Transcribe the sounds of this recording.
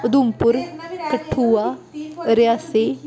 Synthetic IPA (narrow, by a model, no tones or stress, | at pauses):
ɐd̪umpʊɾkɐʈʰːuaɾjaːse